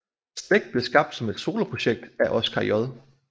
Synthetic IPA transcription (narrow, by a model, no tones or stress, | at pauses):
sd̥ʁeɡ̥̚b̥le̝sɡ̥ɑ̈b̥d̥sɒ̽me̝d̥so̝̰ːlɐpʰʁo̝ɕeɡ̥̚d̥æʔɒ̽skʰɑ̈jɒðˠ